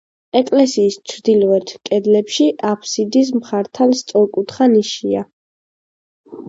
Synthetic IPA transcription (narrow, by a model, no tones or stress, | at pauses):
ɛkʼlɛsiːst͡ʃʰɾd̪ilɔɛt̪ʰkʼɛd̪lɛpʃiʔapʰsid̪is̬mχaɾt̪ʰalst̪sʼɔɾkʼut̪ʰχaniʃia